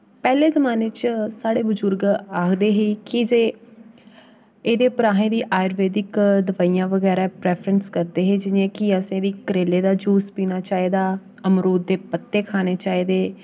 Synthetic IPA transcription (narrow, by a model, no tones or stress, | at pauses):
pɛːleːzəmaːnet͡ʃsaːɽeːbʊzʊɾɡaːkʰd̪eːɦiːkɪd͡ʒeː | eːd̪eːpəɾaːɦẽːd̪iːʔaːjɾʋeːd̪ɪkd̪əʋaːiːjãːʋəɡɛːɾaːpɾɛːpʰɾənskəɾd̪eːɦeːd͡ʒɪnẽːkiəsẽːd̪iːkəɾeːleːd̪aːd͡ʒuːspiːnaːt͡ʃaːeːd̪aː | əmɾoːd̪̚d̪eːpət̪ːeːkʰaːneːt͡ʃaːeːd̪eː